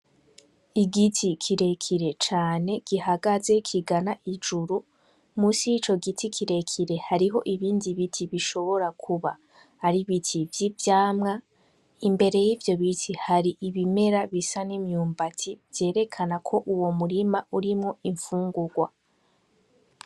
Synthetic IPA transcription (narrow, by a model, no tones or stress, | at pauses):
iɡitʰikʰiɾe̞kʰiɾe̞t͡ʃaːne̞ɡ̥ihaɡaze̞kʰiɡanaʔid͡ʒuɾu | musijit͡ʃo̞ɡitʰikʰiɾe̞kʰiɾe̞haɾiɦo̞ʔiβiːndiβitʰiβiʃo̞βo̞ɾakʰuβa | haɾiβitʰivjivjaːmŋa | imbe̞ɾe̞jivjo̞βitʰihaɾiʔiβime̞ɾaβisanimɲuːmbatʰivje̞ːɾe̞kʰanakʰo̞ʔuwo̞muɾimauɾimŋo̞iɱfuːŋɡuɡwa